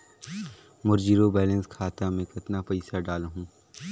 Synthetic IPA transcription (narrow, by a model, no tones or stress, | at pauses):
mʊɾd͡ʒiːɾobɛːlə̃nskʰaːt̪amẽkɐt̪napɐɪsaɖaːlɦũː